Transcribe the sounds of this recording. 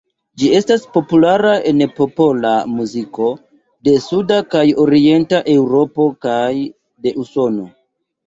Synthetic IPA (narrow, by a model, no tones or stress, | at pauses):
d͡ʒie̞staspo̞pulaɾae̞npo̞po̞lamuziko̞ | de̞sudakajo̞ɾie̞ntaʔe̞wɾo̞po̞kaj | de̞ʔuso̞no̞